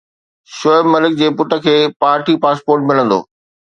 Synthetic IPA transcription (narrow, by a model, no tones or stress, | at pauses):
ʃoɪbmɐlɪk̚d͡ʑeːpʊʈə̆kʰeːpaːɾʈipaːspoːɾʈmɪlə̃nd̪o̰ː